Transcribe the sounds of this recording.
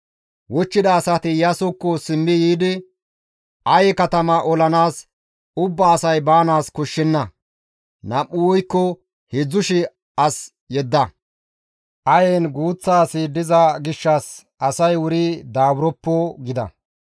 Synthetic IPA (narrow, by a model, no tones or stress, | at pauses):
wɔt͡ʃːɪd̪ɐːsɐt̪ɪjɐsʊkːɔsɪmːɪjiːd̪ɪ | ʔɐjɛkɐt̪ɐmɐʔɔlɐnaːs | ʊbːɐːsɐjbaːnaːskɔʃːɛnːɐ | nɐʔːʊwɔjkːɔ | hɪd͡zːʊʃɪ | ɐs | jɛd̪ːɐ | ʔɐjeːnɡuːt͡sːaːsɪd̪ɪzɐɡɪʃːɐs | ɐsɐjwʊɾɪd̪aːbɾɔpːɔɡɪd̪ɐ̰